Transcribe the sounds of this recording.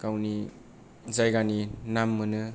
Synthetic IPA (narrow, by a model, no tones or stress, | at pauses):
kawni | zajɡaninamːɯnɯ